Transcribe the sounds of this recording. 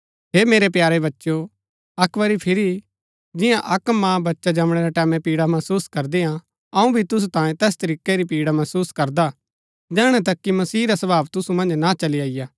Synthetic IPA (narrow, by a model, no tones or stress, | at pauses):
ɦeːmeːɾepjaːɾeβɐtːʃo | ɐkʋəɾipʰɪɾi | d͡ʒɪ̃jãʔɐkmãbɐtːʃad͡ʒɐmɽ̃eɾaʈɛːmɛ̃piːɽamɐsuːskɐɾd̪eɦã | ɐũbʱit̪ʊs̬ut̪ãːjẽt̪ɛːst̪ɐɾiːkeɾipiːɽamɐsuːskɐɾd̪a | d͡ʒɛːɽ̃ɛ̃t̪̬ɐkːimɐsiːɾasɐbaːʋt̪ʊsumɐ̃nd͡ʒnat͡ʃɐliaːɪjaː